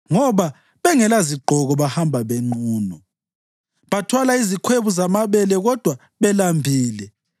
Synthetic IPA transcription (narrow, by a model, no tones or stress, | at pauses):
ŋɔβa | βɛŋɛlaziɡ͡ǃʱɔɣɔβahambʱaβeŋ͡ǃuːnɔ | βatʰwalaizikʰweβuzamaβɛlɛɣɔd̥ʱwa | βɛlambʱiːlɛ